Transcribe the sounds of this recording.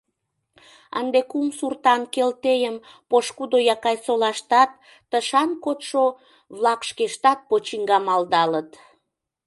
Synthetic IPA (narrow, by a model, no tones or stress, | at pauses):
ə̰nd̪ekumsurt̪ɑnkelt̪ejəm | poʃkud̪ojɑkɑjsolɑʃt̪ɑt̪̚ː | əʃɑnkot̪ʃo | βlɑkʃkeʃt̪ɑt̪̚pot͡ɕiŋɡɑmɑld̪ɑlət̪